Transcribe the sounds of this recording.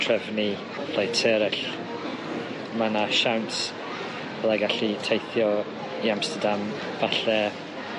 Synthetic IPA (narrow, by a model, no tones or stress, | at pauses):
tʰrəvni | pʰlajtʰɛɾɛɬ | manaʃawnt | bɛlˠaɡaɬitʰejθjɔ | iamstədam | b̥aɬɛ